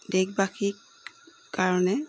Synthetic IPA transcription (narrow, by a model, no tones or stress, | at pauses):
dɛk̚bakʰik | kaɹɔnɛ